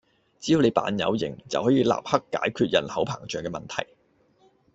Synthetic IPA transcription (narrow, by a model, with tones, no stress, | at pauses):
t͡siː˥jo˧wle˨˧jpa̰ː˨˧˥njɐ̰˨˧wjɪ̰˨˩ŋt͡sɐ̰˨whɔː˨˥jiː˧la̰ː˨p̚hɐ˥kːaː˨˥jkʰyː˧t̚jɐ˨˩nhɐ˨˥wpʰa̰ː˨˩ŋt͡ʃœː˨˩ŋkɛː˧mɐ˨nt̪ʰɐ̰˨˩j